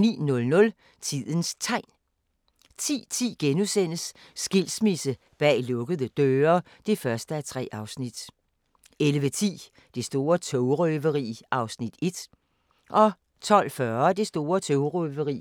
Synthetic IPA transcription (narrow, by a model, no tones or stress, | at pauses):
nḭːnɔ̽lnɔ̽l | t͡sʰið̰ˠənst͡sʰɑ̈ɪ̰n | t͡sʰḭːt͡sʰḭːɡ̥enusen̰əsː | ɡ̥il̰smisə | b̥ɛ̰ːlɔ̽ɡ̥əðˠəd̥øːɐ | d̥e̝fɶɐsd̥əæt͡sʰʁɛ̰ːɑ̈ʊsnid̥ | elʋət͡sʰḭː | d̥e̝sd̥o̝ːɐt͡sʰɔʊʁøʋəʁḭːʔɑ̈ʊsnid̥e̝d̥ | ʔɒ̽ | t͡sʰɒ̽l̰fɶɐd̥e̝sd̥o̝ːɐt͡sʰɔʊʁœʋəʁḭ